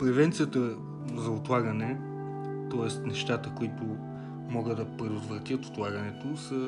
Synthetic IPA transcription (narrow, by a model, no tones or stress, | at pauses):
pɾɛvɛnt̪sijət̪ə | zɐot̪lˠaɡɐnɛ | t̪ɔɛst̪nɛʃt̪at̪əkoit̪ʊ | mɔɡəd̪d̪ɐpɾɛd̪ʊt̪vɾɐt̪ʲjət̪o̥t̪lˠaɡɐnɛt̪osə